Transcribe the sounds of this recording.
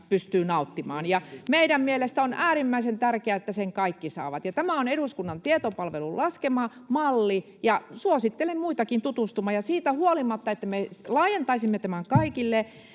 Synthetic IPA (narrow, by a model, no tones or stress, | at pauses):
pyst̪yːnɑut̪ːimɑ̰ːnjɑmeiɾæmmielest̪æonʔæːɾimːæisent̪ærkeæet̪ːæseŋkɑikːisɑ̰ːʋɑt̪jɑt̪æmæoneɾuskunːɑnt̪iet̪opɑlʋelullʔɑskemɑmɑlːi | jɑsuosit̪ːelemmuit̪ɑkint̪ut̪ust̪umɑjɑsiːt̪æhuolimɑt̪ːɑet̪ːæmelɑːjent̪ɑisimːet̪æmæŋkɑikilːe